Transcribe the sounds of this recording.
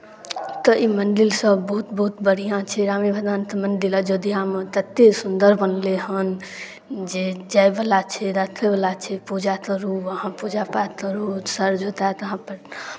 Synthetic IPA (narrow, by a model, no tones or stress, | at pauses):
t̪əʔimənɖilsəbːəɦut̪bəɦut̪bəɽ̤ijãt͡ʃʰɛɾamibʱəd̪ant̪əməɳɖilad͡ʒəd̪ijamet̪ət̪ːesund̪əɾbʱənleɦən | d͡ʒed͡ʒajbəlat͡ʃʰɛɾat̪ʰlebəlat͡ʃʰɛpud͡ʒak̪əɾuəɦãpud͡ʒapat̪əɾusəɾd͡ʒot̪at̪əɦãpəɾ